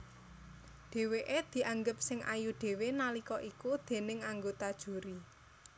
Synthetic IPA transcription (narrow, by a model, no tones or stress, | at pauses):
ɖ̥e̤weʔed̪̥i̤ʔaŋɡəp̚sɪŋʔa̰juɖ̥e̤wenalikɔʔikud̪̥e̤nɪŋaŋɡot̪ad̥ʒ̥ṳɾi